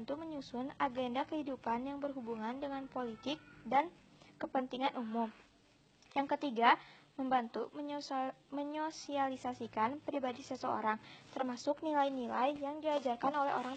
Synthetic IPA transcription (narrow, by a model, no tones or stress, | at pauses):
nt̪uməɲusʊnaɡendakəhidupanjaŋbərɦubuŋandəŋanpolit̪ɪk̚dankəpənt̪iŋanumʊm | jaŋkət̪iɡaməmbant̪u | məɲosialisasikanpɾibadisəsəo̰ɾaŋt̪ərmasʊknilajnilajjaŋdiad͡ʒarkanolɛɦo̰ɾaŋ